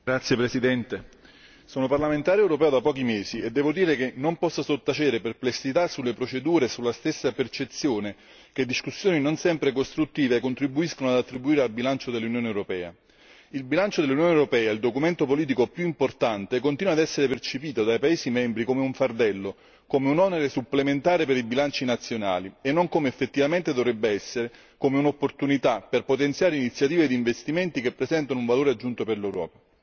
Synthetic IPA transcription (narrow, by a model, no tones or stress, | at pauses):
ɡɾat̪sːjepɾesid̪ɛnt̪e | soːnoparlament̪aːɾjoewɾopɛːod̪apɔːk̟imeːsied̪ːɛːvod̪iːɾekenːompɔsːasot̪ːat͡ʃeːd̪eɾeperplesːit̪asːulːepɾot͡ʃed̪uːɾesulːast̪esːapert͡ʃet̪sːjoːne | ked̪ːiskusːjoːninonsɛmpɾekost̪ɾut̪ːiːvekːont̪ɾibːuiskonoad̪at̪ːɾibuiːɾealbilant͡ʃod̪elːunjoːnewɾopɛːa̰ | ilbilant͡ʃod̪elːunjoːneɛwɾopɛːaild̪okument̪opoliːt̪̬ikopjuimport̪ant̪ekont̪iːnwad̪ɛsːeɾepert͡ʃepiːt̪od̪ajpaeːsimɛmbɾikomeuɱfard̪ɛlːo | komeunɔneɾesupːlement̪aːɾepeɾibilant͡ʃinat̪sːjona̰ːlienːoŋkomeːfːet̪ːivament̪ed̪ovɾɛbːeɛsːeɾe | komeunopːort̪unit̪aperpot̪ent̪sjaːɾeinit̪sːjat̪iːved̪iːɱvest̪iment̪ikepːɾezɛnt̪anouɱvaloːɾead͡ʒːunt̪operlɛwɾɔ̰ːpa